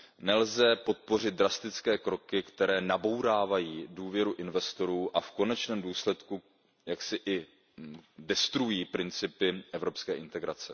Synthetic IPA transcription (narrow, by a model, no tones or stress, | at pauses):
nɛlzɛpo̞t̪̚po̞rɪt̪̚d̪ɾast̪ɪt͡skɛːkɾo̞kɪkt̪ɛɾɛːnabo̞wɾaːvajiːduːvjɛɾuʔɪnvɛst̪o̞ɾuːʔafko̞nɛt͡ʃnɛːmduːslɛt̪ku | jaksɪʔɪ | dɛst̪ɾujiːpɾɪnt͡sɪpɪʔɛvɾo̞pskɛːʔɪnt̪ɛɡɾa̰t͡sɛ